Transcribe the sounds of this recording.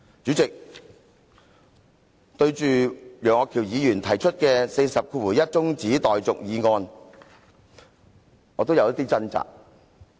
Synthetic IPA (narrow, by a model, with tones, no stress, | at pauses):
t͡syː˨˥t͡sɪ˨k̚ | t̪ɵ˧ɥt͡ʃyː˨jœː˨˩ŋːɔː˨˧kʰi˨˩wjiː˨˧jyː˨˩nt̪ʰɐ˨˩jt͡ʃʰɵ˥t̚kɛː˧se˧jsɐ˨p̚kʰuː˧wuː˨˩jɐ˥t̚t͡sʊ˥ŋt͡siː˨˥t̪ɔː˨jt͡sʊ˨k̚jiː˨˧ŋɔː˧n | ŋɔː˨˧t̪̬o˥wjɐ˧wjɐ˥t̪iː˥t͡sɐ˥nt͡sa̰ː˨k̚